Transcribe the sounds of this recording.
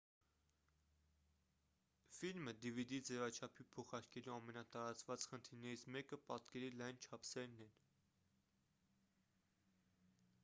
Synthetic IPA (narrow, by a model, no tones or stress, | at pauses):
filməd̪ivid̪id͡zɛvɑt͡ʃʰɑpʰipʰɔχɑɾkɛluɑmɛnɑt̪ɑɾɑt͡svɑt͡sχənt̪ʰiɾnɛɾit͡sʰmɛkəpɑt̪kɛɾilɑjnt͡ʃʰɑpʰsɛɾnɛn